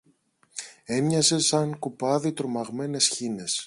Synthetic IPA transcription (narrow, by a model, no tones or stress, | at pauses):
e̞mɲɐse̞sɐŋkupɐðit̪ɾomɐɣme̞ne̞sçine̞s